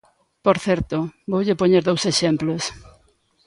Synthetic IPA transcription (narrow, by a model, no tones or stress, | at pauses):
poɾθɛɾt̪ʊbowʎepoɲeɾðowseʃemplos